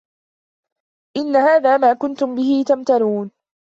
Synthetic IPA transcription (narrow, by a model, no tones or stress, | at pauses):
ʔɪnːahaːðaːmaːkʊnt̪ʊmbɪhiːt̪amt̪aɾuːn